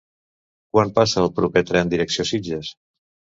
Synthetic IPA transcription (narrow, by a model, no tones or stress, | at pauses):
kwampasəːlˠpɾupet̪ɾɛnd̪iɾəksiosid͡ʒəs